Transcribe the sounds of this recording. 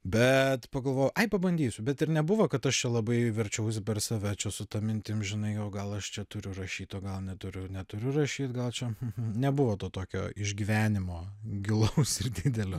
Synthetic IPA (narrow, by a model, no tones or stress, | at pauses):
bʲɛt̪pɐɡɐlˠʋoːjʊʔɐɪpɐbɐnʲd̪ʲiːsʲʊbʲɛt̪ɪɾnʲɛbʊʋoːkɐt̪ɐʃt͡ʃʲɛlˠɐbɐɪʋʲɛɾʲt͡ʃʲɛʊs̬ʲɪpʲɛrsɑʋʲɛt͡ʃʲɛsʊt̪ɐmʲɪnʲt̪ʲɪmʒʲɪnɐɪjɛʊɡɐlˠɐʃt͡ʃʲɛt̪ʊɾʲʊrɐʃʲiːt̪oːɡɐlˠnʲɛt̪ʊɾʲʊnʲɛt̪ʊɾʲʊrɐʃʲiːt̪ɡɐlˠt͡ʃʲɛm̩nʲɛbʊʋoːt̪oːt̪oːkʲo̰ːɪʒʲɡʲiʋʲæːnʲɪmoːɡʲɪlˠɐʊsɪrd̪ʲɪd̪ʲɛlʲoː